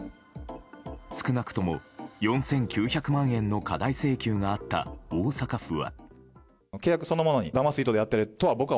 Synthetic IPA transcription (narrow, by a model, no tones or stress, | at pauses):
sɨ̥kɯ̟nakɯ̟̥t̪o̞mo̞̰jõ̞ɰ̃sẽ̞ŋkʲɨːçakɯ̟mãɰ̃ẽ̞nːo̞kad̪aise̞ːkʲɨːŋaːt̪ːa̰oːsakaɸɯ̟βa̰ | kekːakɯ̟so̞no̞mo̞no̞ɲ̟id̪amasɨit̪od̪ejat̪ːeɾɯ̟t̪o̞βabo̞kɯ̟β